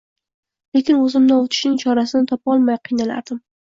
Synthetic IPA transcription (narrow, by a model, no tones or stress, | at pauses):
le̞kʲɪnɵzɪmnanot̪ʰɪ̥ʃnɪŋt͡ʃʰɒɾasɪnɪt̪ʰɒpɒlˠmajqʰijnala̰ɾd̪ɪm